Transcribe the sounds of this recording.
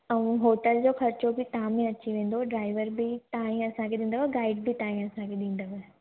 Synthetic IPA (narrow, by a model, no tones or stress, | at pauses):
ɐũɦoːʈəld͡ʑoːxɐɾt͡ɕobɪt̪ãmẽɐt͡ɕiʋẽːn̆d̪oɖɾaːɪʋəɾbɪt̪aːɦĩɐsãkʰeɗĩːn̆d̪əʋəɡaːɪɖbʱit̪aːɦĩɐsãkʰeɗĩːn̆d̪əʋə